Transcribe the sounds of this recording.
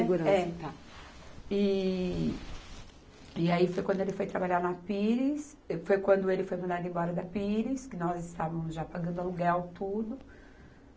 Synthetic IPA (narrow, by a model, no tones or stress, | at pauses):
eɡuɾɐ̃ɛt̪a | ɪ | ɪaifojkwɐ̃d̪ʊelɪfojt̪ɾabaʎaɾnɐpiɾis | ɛfojkwɐ̃nd̪ʊelɪfojmɐ̃nd̪ad̪ʊẽbɔɾɐd̪ɐpiɾiskɪnɔzɪst̪avɐmʊzʒapaɡɐ̃nd̪ʊaluɡawt̪ud̪ʊ